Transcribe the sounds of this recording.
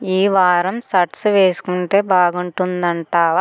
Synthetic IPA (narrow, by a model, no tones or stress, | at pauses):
iːʋaːɾɐmsɐʈsʋeːsu̥kuɳʈe̞ːbaːɡuɳʈund̪ɐɳʈaːʋa